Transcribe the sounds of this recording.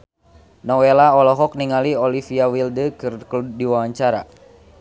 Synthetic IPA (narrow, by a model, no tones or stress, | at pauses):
nɔwelaɔlɔɦɔk̚niŋaliɔlifiawildəkɨrkludiwawaɲt͡ʃaɾa